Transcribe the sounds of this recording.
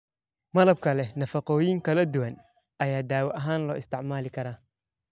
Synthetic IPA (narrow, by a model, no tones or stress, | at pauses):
mɐlɐb̚kʰɐlɛnɐfɐqɔːjɪŋkʰɐlɐd̪uwɐn | ɐjaːd̪aːwɐʔɐɦaːnlɔːʔɪst̪ʰɪʕmaːlɪkʰɐɾaː